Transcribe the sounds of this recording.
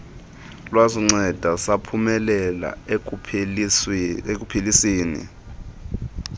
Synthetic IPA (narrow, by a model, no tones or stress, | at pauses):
lwaziŋ͡ǀɛd̥ʱasapʰumɛlɛla̰ | ek̬ʼupʰilisiːnḭ